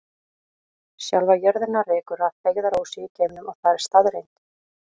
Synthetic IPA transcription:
sjawlvajœɾðɪnːarɛːkʏɾaðfejɣðaɾoːwsɪːcʰɛːmnʏmaɣθaðɛɾ̥st̪aðɾejn̥t̪

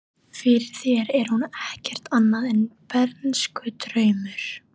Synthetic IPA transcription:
fɪɾɪɾ̥θjɛɾɛɾ̥hunɛhcɛr̥t̪anːaðɛnpɛɾt̪nskʏt̪ɾœːɥmʏɾ̥

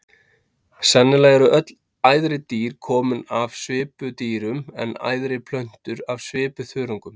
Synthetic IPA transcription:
sanːɪlaɣɛɾʏʔœt̪l | aːjðɾɪt̪iːɾ̥kʰɔːmʏnav̥svɪːpʏt̪iːɾʏmɛ̰na̰ːjðɾɪpʰl̥œɥn̥t̪ʏɾavsvɪːpʏθʏːɾɔŋkʏm

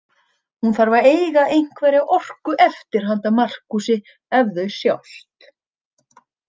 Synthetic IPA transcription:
hunθaɾvaɾeːjɣaejŋ̥kvɛːɾɪaʔɔr̥kʏʔɛft̪ɪɾ̥ɦant̪amar̥kusɪ | ɛvðʏɥsja̰wl̥t̪

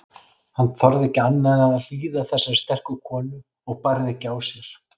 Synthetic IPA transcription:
hanːθɔɾðɪcanːaɣaðal̥iːðaθɛsːaɾst̪ɛr̥kʏkʰɔːnɪ | ɔɣpaɾðɪcaːwsjɛɾ̥

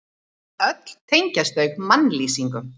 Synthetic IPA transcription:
œt̪l̥t̪ʰeɲcast̪eɣmanliːsiŋkʏ

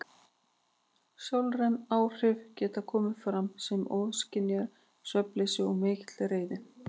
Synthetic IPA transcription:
sjowlrɛnaːwr̥ɪvcɛːt̪akʰɔːmʏfɾamsɛmʔɔːðscɪnːjaɾ | sœplesɪɔmeːxt̪lɾeːjðɪ

